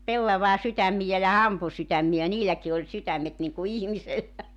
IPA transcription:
pelːɑʋɑː sytæmːijæ jɑ hɑmpu sytæmːiæ niːlæki olʲ sytæmːet niŋku ihmiselːæ

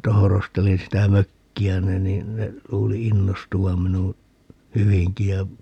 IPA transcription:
tohorostelin sitæ møkːiæni niːn ne luːli inːostuʋɑm̆ minu hyʋiŋki jɑ

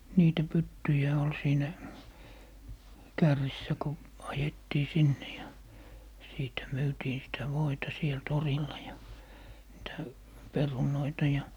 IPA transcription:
niːtæ pytːyjæ ol siːnæ kærːisːæ ko ɑjetːiː sinːe jɑ siːtæ myːtiːn sitæ ʋoitɑ siel torilːɑ jɑ niːtæ perunoitɑ jɑ

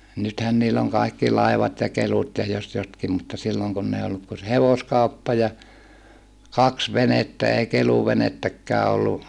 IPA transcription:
nythæn niːlː oŋ kɑˑikːi lɑiʋɑt jɑ kelutʲ jɑ jos jotkim mutːɑ silːoŋ kunː ei olːuk ku se heʋoskɑupːɑ jɑ kɑks ʋenetːæ ei keluʋenetːækːæː olːu

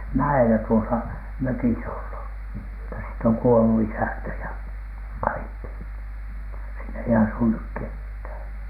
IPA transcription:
mæelæ tuosɑ møkis olːu mutːɑ siːt oŋ kuolu isæntæ jɑ kɑikːi siːn ei ɑsu nyk kethæˑn̥

